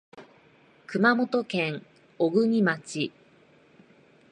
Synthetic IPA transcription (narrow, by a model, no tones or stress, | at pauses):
kɯ̟mamo̞t̪o̞kẽ̞ŋ | oɡɯ̟ɲ̟imat͡ɕi